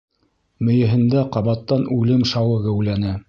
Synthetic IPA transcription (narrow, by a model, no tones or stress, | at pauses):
mɵ̆jɘ̆ɦɘ̆nd̪æqɑβɑt̪ːɑnʉlɘmʃɑwɤɣæwlænæ